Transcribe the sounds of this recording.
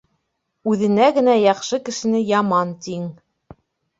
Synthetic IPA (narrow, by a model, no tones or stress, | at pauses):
ʉðɘ̆næɡɘ̆næjɑχʃɤkɘ̆ʃɘ̆nɘjɑmɑnt̪iŋ